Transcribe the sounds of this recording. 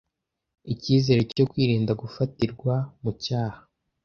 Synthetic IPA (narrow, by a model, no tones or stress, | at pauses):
iciːze̞ːɾeco̞kwiːɾiːndaɡufatiɾɡwamucaːhḁ